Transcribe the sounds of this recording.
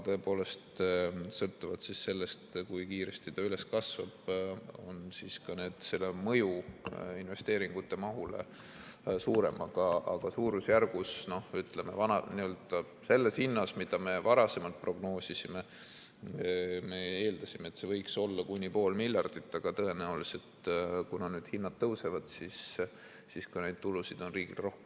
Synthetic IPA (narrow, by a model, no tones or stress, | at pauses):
t̪ɤ̞epo̞ːle̞st̪sɤlt̪ːˑuvɑd̪̥sisse̞lːest̪kujkiːɾest̪it̪ɑyle̞skɑsvɑb̥o̞̰nsiːskɑne̞ːd̪̥se̞lːemɤjuinve̞st̪eːɾiŋɡ̥ut̪ːe̞mɑɦulḛ | suːɾe̞̰mʔɑɡ̥ɑɑɡ̥ɑsuːɾusjærɡ̥usno̞hyt̪leme̞̰vɑnɑ̰niøld̪̥ɑ | se̞lːe̞shinːɑsmid̪̥ɑme̞vɑɾɑse̞mɑlt̪̚pro̞ɡno̞ːsisime | me̞e̞ːld̪̥ɑsimeːt̪se̞vɤjkso̞lːɑkunʲːipo̞ːlmilʲjɑrd̪̥it̪ːˑɑɡ̥ɑt̪ɤe̞næulise̞t̪kunɑnyːd̪̥hinːɑt̪̚t̪ːɤwse̞vɑd̪̥sisː | iskɑne̞jd̪̥̚t̪ulusid̪̥o̞nriːɡ̥ilro̞hke